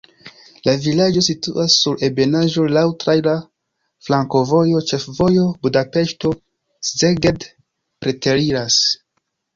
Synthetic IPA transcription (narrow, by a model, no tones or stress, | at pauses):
lavilad͡ʒo̞s̬itṵʔasːuɾe̞be̞naʒo̞lawtɾajla | flaŋko̞vo̞jo̞t͡ʃe̞fvo̞jo̞budape̞ʃto̞ | szeɡed | pɾete̞ɾiɾas